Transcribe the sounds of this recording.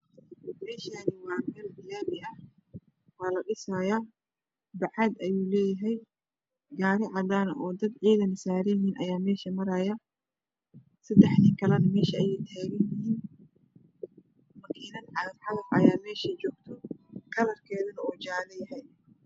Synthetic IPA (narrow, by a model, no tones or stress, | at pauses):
mɛːʃaːnɪwɑːɡɐlbɪlaːβɪʔɐh | waːlɐɗɪsajaː | b̪ɐʕɑd̪ʔɐjuːlɛːjɐɦɛj | ɡaːɾɪʕɑd̪aːnɐʔɔːd̪ɐd̪ʕiːðɐnɪsaːɾɛjɪɦiːnʔɐjaːmɛːʃɐmɐɾaːjɐ | sɐd̪ɛħnɪŋkʰɐlɐnɐmɛːʃɐɐjɛjt̪ʰaːɣɐnjɪhiːn | mɐkʰiːnɐnʕɑɐħɑlɐfʔɐ̰jaːmɛːʃɐt͡ʃɔːɡ̥t̪ʰɔkʰɐlɐrkʰɛːðɐnɐɔːd͡ʒaːlɐjɐɦɛj